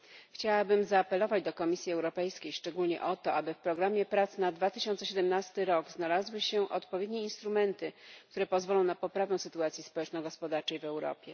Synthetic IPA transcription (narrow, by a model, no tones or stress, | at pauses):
xt͡ɕawabɘmzaːpɛlɔvad͡ʑd̪ɔkɔmʲisʲjiɛwɾɔpɛjskʲejʂt͡ʂɛɡulɲɛ̰ʔɔt̪ɔabɘfpɾɔɡɾamʲjɛpɾat̪snad̪vat̪ɘ̥ɕɔnt̪sɛɕɛd̪ɛmnast̪ɘɾɔɡznalazwɘɕɛʔɔt̪pɔvʲjed̪ɲeinst̪ɾumɛnt̪ɘkkt̪uɾɛpɔzvɔlɔ̃w̃napɔpɾavɛ̃w̃sɘt̪uat̪sʲjispɔwɛt͡ʂnɔɡɔspɔd̪aɾt͡ʂɛjvɛwɾɔ̰pʲjɛ